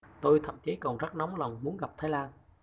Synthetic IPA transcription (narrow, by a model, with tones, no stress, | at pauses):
t̪o˧jt̪ʰə̰˧˨mt͡ɕi˨˦kɔ˨˩nzə˦˥nɔ˨˦wŋ͡mlɔ˨˩wŋ͡mmu˨˦ənɣa˨˩p̚t̪ʰaː˨˦jlaː˧n